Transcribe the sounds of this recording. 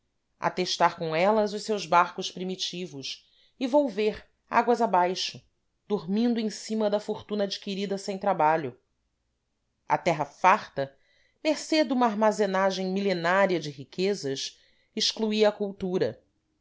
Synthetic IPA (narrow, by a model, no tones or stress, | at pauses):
a̰t̪eʃt̪aɾkõɛlɐzʊʃsewzbaɾkʊʃpɾimit͡ʃivʊʃ | ɪvowveɾ | a̰ɡwɐzabajʃʊ | d̪̥uɾmĩnd̪ʊẽsĩmɐd̪ɐfoɾt̪ũnɐad͡ʒikiɾid̪ɐsẽj̃t̪ɾabaʎʊ | ɐ̰t̪ɛɦɐfaɾt̪ɐ | meɾsed̪ũmɐːɾmazenaʒẽj̃milenaɾiɐd͡ʒɪɦikʰezɐʃ | iʃkluiɐːkuwt̪uɾɐ